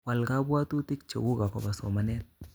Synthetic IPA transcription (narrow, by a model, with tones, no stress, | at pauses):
wa˨lka˦bwa˦t̪u˦tɪ˦k̚t͡ʃo̰˨ɡu˦ka˨kɔ̰˨ba˨sɔ˨ma˦nɛ˦t̚